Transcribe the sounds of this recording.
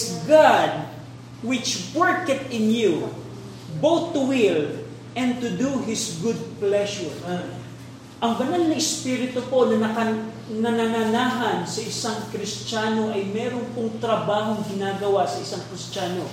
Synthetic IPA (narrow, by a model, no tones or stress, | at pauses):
sɡad̪̚ | wɪt͡ʃwɛɹkɛt̪̚ɪnju | bowt̪ːʊwil | ʔɛ̃nt̪ʊd̪uɦɪsɡʊd̪̚plɛʃɛɹ | ʔɐŋbɐnalnɐɪspiɾɪt̪opo̞nɐɐɐ | nɐnɐnanaːɦɐnsɐʔɪsaŋkɾɪst͡ʃaːno̞ʔɐjmɛːɾonpoŋt̪ɾɐbaːɦo̞ŋɡɪnaːɡɐwasɐʔɪsaŋkɾɪst͡ʃaːno